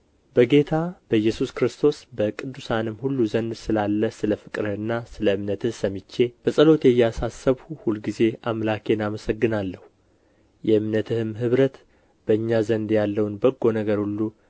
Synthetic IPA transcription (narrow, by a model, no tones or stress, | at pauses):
bəɡe̞t̪ʰabəjːɛsuskɾɨst̪ʰo̞sbəkʼɨd̪ːusanɨmhulːuzənd̪sɨlalːəsɨləfɨkʼɾɨnːasɨləɨmnət̪ʰɨhsəmːit͡ʃːe̞b̥əsʼəlo̞t̪jɛjːasasːəβhuhulɡize̞amlakʰe̞naməsəɡːɨnalːəhu | jɛɨmnət̪ʰɨhɨmɦɨβɾət̪ | b̥əɨɲːazənd̪jalːəwunbəɡːo̞nəɡəɾhulːu